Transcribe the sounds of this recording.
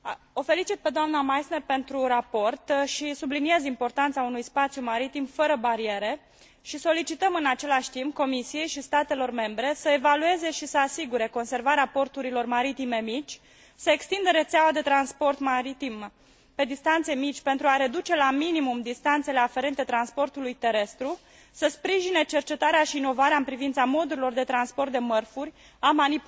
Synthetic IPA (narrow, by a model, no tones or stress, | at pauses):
o̞fe̞lit͡ʃit̪̚pe̞d̪oamnamajsnerpe̞nt̪ɾuɾapo̞rt̪ʃisublinie̞zimpo̞rt̪ant̪saunujspat̪sjumaɾit̪imfəɾəbaɾieɾe̞ | ʃiso̞lit͡ʃit̪əmɨnat͡ʃe̞laʃʲt̪imp̚ko̞misije̞jʃist̪at̪e̞lo̞rme̞mbɾe̞səe̞value̞ze̞ʃisəasiɡuɾe̞ko̞nse̞rvaɾeapo̞rt̪uɾilo̞rmaɾit̪ime̞mit͡ʃʲ | səekst̪ind̪əɾe̞t̪seawad̪e̞t̪ɾanspo̞rt̪maɾit̪im | pe̞d̪ist̪ant̪se̞mit͡ʃʲpe̞nt̪ɾuaɾe̞d̪ut͡ʃe̞laminimumd̪ist̪ant̪se̞le̞afe̞ɾe̞nt̪e̞t̪ɾanspo̞rt̪ulujt̪e̞ɾe̞st̪ɾu | səspɾiʒine̞t͡ʃe̞rt͡ʃe̞t̪aɾeaʃiːno̞vaɾeaɨmpɾivint̪samo̞d̪uɾilo̞rd̪e̞t̪ɾanspo̞rt̪̚d̪e̞mərfurʲ | amanip